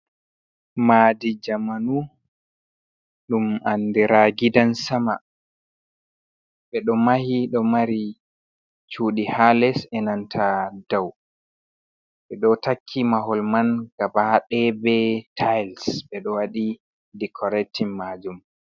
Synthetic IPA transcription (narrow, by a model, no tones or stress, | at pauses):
maːdid͡ʒamanu | ɗumandiɾaɡidansama | ɓɛɗɔmahiɗɔmaɾi | t͡ʃuːɗihalɛsɛnantʰadaw | ɓɛɗɔtakʰːimaɦɔlmanɡabaɗɛbɛtʰajlsɓɛɗɔwaɗi | dikʰɔɾɛtʰːimːaːd͡ʒum